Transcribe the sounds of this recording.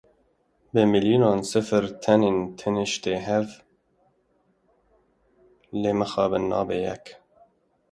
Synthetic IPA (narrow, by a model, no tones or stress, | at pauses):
bɨmiljinɑːnsɨfɨɾt̪ʰɛnint̪ʰɨniʃt̪eːɦɛv | leːməxɑːbɨnːɑːbejɛ̰k